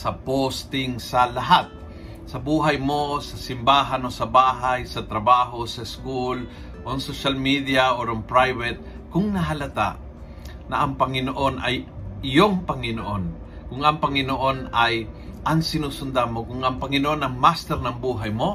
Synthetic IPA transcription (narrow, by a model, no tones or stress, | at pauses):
sɐpost̪ɪŋsɐlɐɦat̪̚ | sɐbuːɦajmosɐsɪmbaːɦanosɐbaːɦajsɐt̪ɾɐbaːɦosɐɪskul | ʔoŋsoʃalmid̪ijaʔoɾoŋpɾajvɛt̪̚ | kʊŋnɐɦɐlɐt̪a̰ʔ | nɐʔɐŋpɐŋɪnoʔo̞nɐjʔɪjoŋpɐŋɪnoʔon | kʊŋɐŋpɐŋɪnoʔo̞najʔɐŋsɪnuːsʊnd̪amokʊŋɐŋpɐŋɪnoʔonɐŋmast̪ɛɾnɐŋbuːɦajmo